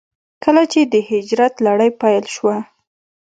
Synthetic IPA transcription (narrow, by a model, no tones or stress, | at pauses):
kəlat͡ʃed̪əhɪd͡ʒɾat̪laɽəjpajlʃwa